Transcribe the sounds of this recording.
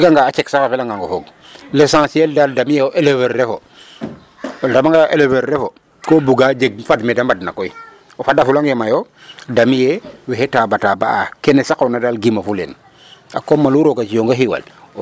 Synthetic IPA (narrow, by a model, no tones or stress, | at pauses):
ɡaŋɡaːt͡ʃeksakafelaŋɡaŋɡofoɡ̚ | lesãsieldaldamijeoʔeleveɾɾefo | ldamaŋɡajoʔeleveɾɾefo | koːbuɡad͡ʒeɡ̚fadmedambadnakoi | ofadafulaŋjemajo | damijeweɦetaːbataba̰akenesakːnadalɡimafulḛn | a̰komːaluɾokat͡ʃijoŋɡaɦiwa̰l